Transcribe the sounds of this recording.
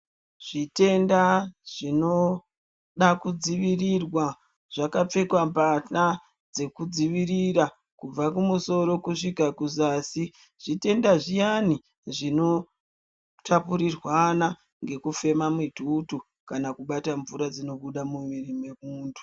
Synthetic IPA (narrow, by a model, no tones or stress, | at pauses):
ʐ̥ite̞ndaʐ̥ino̞ | ɗakud͡ziʋirirwa | ʐ̥akap͡fe̞kwampata | d͡ze̞kud͡ziʋiɾiɾa | kub͡vakumuso̞ɾo̞kuʂikakuzaːsi | ʐ̥ite̞ndaʐijani | ʐino̞ | tapuɾirwana | ŋɡe̞kufe̞mamwitutu | kanakuɓataɱvuɾad͡zino̞ɓuɗamuʋirimwe̞muːndʰu̥